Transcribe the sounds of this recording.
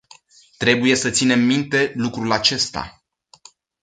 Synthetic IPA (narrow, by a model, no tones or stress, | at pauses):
t̪ɾe̞buje̞sət̪sine̞mːint̪e̞lukɾulat͡ʃe̞st̪a̰